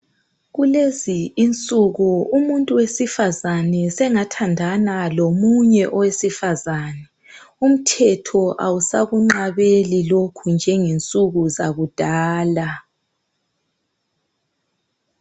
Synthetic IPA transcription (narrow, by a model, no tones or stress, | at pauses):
ɣuleziːnt͡sʼuɣuumuntʼuwesifazanɛsɛŋatʰandʱanalomuɲɛʔɔwesifazanɛ | um̩tʰɛtʰɔʔawusaɣuŋ͡ǃaβelilokʰund͡ʒʱɛŋint͡sʼuɣuzaɣud̥ʱaːla